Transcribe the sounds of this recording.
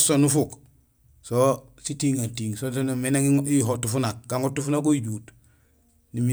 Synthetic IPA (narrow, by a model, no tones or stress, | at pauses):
sonufuk | so | sitiːŋatiːŋsotonameneŋiɦotufunak̚ɡaŋɡotːufunak̬oiɟuːt | nimi